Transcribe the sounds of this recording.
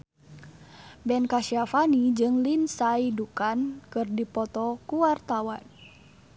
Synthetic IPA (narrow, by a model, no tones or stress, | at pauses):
bɛnkaʃiafanid͡ʒɨŋlinsaidukankɨrdipɔt̪ɔkuwart̪awan